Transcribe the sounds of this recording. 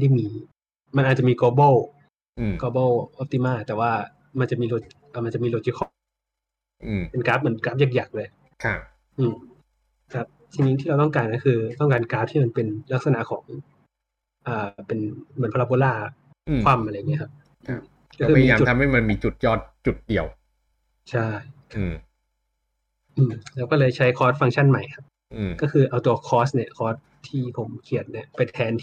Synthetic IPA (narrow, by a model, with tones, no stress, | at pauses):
da˥˩jmiː˧ | ma˧nʔaː˨˩t̪̚t͡ɕa˨miː˧koː˧bɔ˥˩w | ʔkoː˧bɔː˥˩wʔɔ˦˥p̚t̪i˧˥maː˥˩t̪ɛː˨˩waː˥˩ | ma˧nt͡ɕa˨˩miː˧loː˧ | ʔəː˨˩ma˧nt͡ɕa˨˩miː˧loː˧t͡ɕiː˧˩kʰɔ˥˩ | ʔɯː˧˩pe˧nkaː˦˥p̚mɯ˩˦nkaː˦˥p̚ja˥˩k̚ja˨˩k̚lɤː˧j | kʰa˥˩ | ʔɯː˧˩m | kʰa˦˥p̚t̪ʰiː˧niː˦˥t̪ʰiː˥ɾa˧wt̪̬ɔ˥˩ŋkaː˧nːa˦˥nkʰɯː˧t̪ɔ˥˩ŋkaː˧nkaː˦˥p̚t̪ʰiː˥˩ma˧npe˧nla˦˥k̚sa˧na˨kʰɔː˩˦ŋ | ʔəː˨˩pe˧nmɯ˩˦npʰa˧a˧poː˧laː˥˩˧ | kʰwa˧˩mʔa˧ɾa˧jːŋːi˦˥kʰa˦˥p̚ | ʔɯː˧ | kɔ˥kɯː˧iː˧aː˧t͡ɕu˨˩t̪ʰa˧mha˥˩jma˧nmiː˧t͡ɕu˨˩t̪̚jɔː˥˩t̪̚t͡ɕu˨˩t̪̚di˧əw | t͡ɕʰa˥˩jkʰa˦˧˩ | ʔɯː˧˩mlɛː˦˥wkɔː˥˩lɤː˧jt͡ɕʰa˦˥jkʰɔː˦˥t̪̚fa˧ŋt͡ɕʰa˥˩nma˨˩jkʰa˦˥p̚ | ʔkɔː˥˩kʰɯː˧ʔaː˧wt̪uː˧kʰɔː˦˥sni˥˩ɐkʰɔː˦˥t̪̚ʰːiː˥˩pʰo˩˦mkʰi˨˩ət̪̚ni˥˩ɐpa˧jt̪ʰɛː˧nt̪ʰ